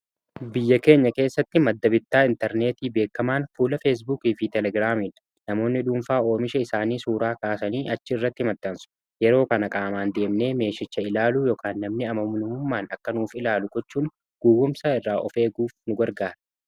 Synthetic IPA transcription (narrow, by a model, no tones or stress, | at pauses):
bɪjːɐke̞ːɲːɐke̞ːsːɐt̪ːɪmɐd̪ːɐbɪt̪ːaːɪnt̪ɐɾne̞ːt̪iːbe̞ːkːɐmaːnfuːlɐfeːs̬buːkiːfɪt̪ɛlɛɡɾaːmiːn | nɐmo̞ːnːɪᶑuːmfaːo̞ːmɪʃɐɪsaːniːsuːɾaːkaːsɐniːʔɐt͡ʃːɪɪrːɐt̪ːɪmɐdt̪ːɐnsʊ̥ | jɛɾo̞ːkɐnɐkʼaːmaːnd̪e̞ːmne̞ːme̞ːʃɪt͡ʃːɐɪlaːluːjɔːkʰaːnːɐmnɪɐmɐmnʊhʊmːaːnɐkːɐnuːfɪlaːlʊɡɔt͡ʃːuːn | ɡ̥uːɡʊmsɐɪrːaːʔɔfe̞ːɡuːfnʊɡɐɾɡaːɾɐ̥